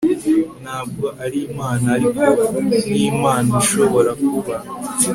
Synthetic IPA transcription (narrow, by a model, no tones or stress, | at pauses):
naːβɡoʔaɾimaːnai | imaːniʃo̞βo̞ɾakuβa